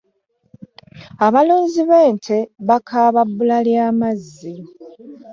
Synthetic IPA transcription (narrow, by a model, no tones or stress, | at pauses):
aβaluːnziβe̞ːntʰeβakʰaːβabːulaljaːmazːi